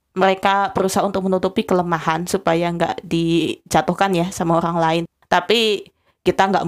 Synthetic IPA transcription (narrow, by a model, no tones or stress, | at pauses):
məɾekab̥əɾusaɦaunt̪ʊk̚mənut̪upikələmahansupajaŋɡa̰ʔdid͡ʒat̪ʊhkanjasamaoɾaŋlaɪn | t̪api | kit̪aŋɡa̰ʔ